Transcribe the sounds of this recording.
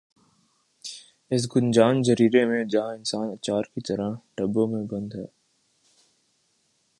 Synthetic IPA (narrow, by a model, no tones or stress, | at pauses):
ɪs̬ɡʊnd͡ʒaːnzəɾiːɾemẽd͡ʒɐɦãɪnsaːnɐt͡ʃaːɾkit̪əɾaʈəbõmẽbɐ̃nd̪ɦɛː